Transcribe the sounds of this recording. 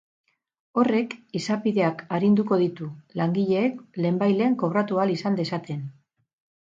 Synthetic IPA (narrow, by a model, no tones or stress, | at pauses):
o̞re̞kisapiðe̞akaɾind̪uko̞ð̞it̪ulaŋɡiʎe̞ːkle̞ːmbajle̞ːŋko̞β̞ɾat̪ualisand̪e̞sat̪e̞n